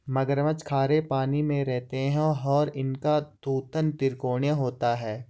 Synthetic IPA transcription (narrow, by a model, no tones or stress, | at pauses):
mɐɡəɾʋət͡ʃkʰaːɾepaːnimẽɾɛɦt̪eɦɛ̃ɔːɾɪnkad̪uːt̪ənt̪ɪɾkoːɳjəɦoːt̪aɦɛː